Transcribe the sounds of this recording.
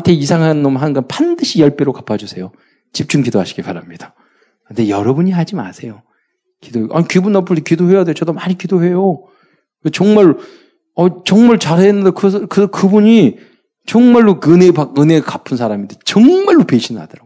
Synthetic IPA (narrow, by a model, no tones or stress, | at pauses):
tʰe̞isʰaŋɦanɯnːomɦanɯnɡʌnpandɯɕʰijʌɭp͈eɾokapʰad͡ʑusʰe̞jo | t͡ɕip̚t͡ɕ͈unɡidoɦaɕʰi̥ɡipaɾamɲid̥a | kɯndejʌɾʌbuɲiɦad͡ʑima̰sʰe̞jo | kidoeʔa̰ɲikibunːʌmpʰɯɭtʰekidohe̞jade̞jot͡ɕʌdomaɲikidoɦe̞jo | et͡ɕʌŋmaɭ | ʌt͡ɕʌŋmaɭt͡ɕaɾeenːɯndekɯskɯkɯbuɲi | t͡ɕʌŋmaɭːoɯnepakɯnekapʰɯnsʰaɾamindet͡ɕʌŋmaɭːopeɕʰinɦa̰d̥ɯɾaɡ